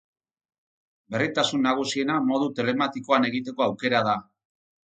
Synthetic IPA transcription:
be̞rit̪asunːaɣ̞usie̞namo̞ð̞ut̪e̞le̞mat̪iko̞ane̞ɣit̪e̞ko̞awke̞ɾað̞a

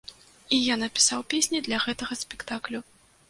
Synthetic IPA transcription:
ijanɐpʲi̥sawpʲesʲnʲid̪lʲɐɣɛt̪ɐɣɐsʲpʲɛkt̪aklʲu

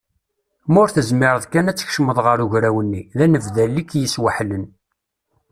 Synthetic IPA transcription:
mʊɾθəzmɪɾəðkænæt͡sːə̥çʃməðˤʁəɾʊʝɾæwənːiðænəvðælːikjəswaħlən

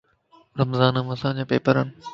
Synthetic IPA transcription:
ɾɐmzaːnə̃mɐsãːd͡ʑãːpeːpəɾənɪ

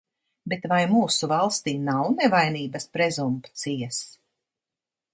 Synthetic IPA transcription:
bet̪vajmuːsuvalˠst̪iːnawnevajniːbaspɾɛzumpt̪siɛs

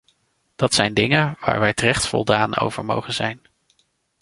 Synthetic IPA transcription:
d̥ɑtsɛjndɪŋənʋa̰ːɹʋɛjtərɛχtfɔ̰lˠdaːno̰wvə̰ɹmowχənzɛjn

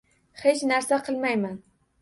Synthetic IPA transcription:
χet͡ʃnæɾsaqʰɨlˠmajman

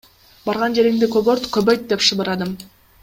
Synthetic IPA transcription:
bɑɾʁɑnd͡ʒe̞ɾiŋd̪ikoboɾt̪kɵbøjt̪̚d̪epʃɯbɯɾɑd̪ɯm

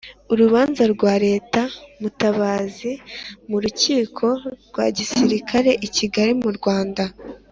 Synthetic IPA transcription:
uɾuβaːnzaɾɡwaːɾe̞ːtamutaβaːzimuɾuciːkʰo̞ɾɡwa̰ːɟisiɾikʰaɾe̞ʔiciɡaɾimuɾɡwaːnda

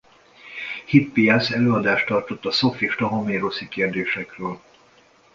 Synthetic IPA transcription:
hit̪̚pijasɛløːɒd̪aːʃt̪ɒrt̪o̞t̪ːɒso̞fiːʃt̪ɒɦɒmeːɾosikeːrd̪eːʃɛkrøːl

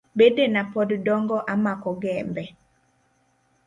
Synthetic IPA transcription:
bedenapɔddɔŋɡɔʔamakɔɡɛmbɛ

